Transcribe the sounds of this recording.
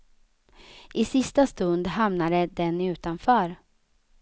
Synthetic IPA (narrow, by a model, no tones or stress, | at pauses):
ʔɪsɪst̪ast̪ɵnd̪ɦamnaɾəd̪ɛnʉ̟ːt̪anfœːɾ